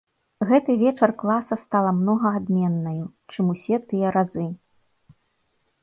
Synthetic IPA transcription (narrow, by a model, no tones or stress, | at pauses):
ɣɛt̪ɨvʲɛt͡ʂɐrklˠasɐst̪alˠɐmnɔɣɐːd̪mʲɛnːɐjut͡ʂɨmusʲɛt̪ɨjɐɾazɨ